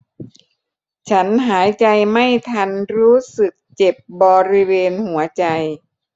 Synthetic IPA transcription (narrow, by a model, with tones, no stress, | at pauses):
t͡ɕʰa˦˥nɦaː˩˦jt͡ɕa˧jma˥˩jt̪ʰa˧nɾuː˦˥sɯ˨˩k̚t͡ɕe˨˩p̚bɔː˧ɾi˦˥weː˧nhu˩˦ɐt͡ɕa˧j